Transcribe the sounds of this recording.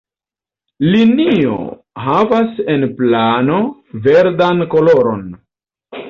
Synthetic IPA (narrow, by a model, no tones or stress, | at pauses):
linio̰ | ɦavasenplano̞ | ve̞ɾdanko̞loɾo̞n